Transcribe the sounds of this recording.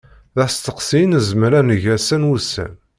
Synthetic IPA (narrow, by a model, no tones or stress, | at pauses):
ðæst̪əqsinzəmɾænəʝæsænwusə̰n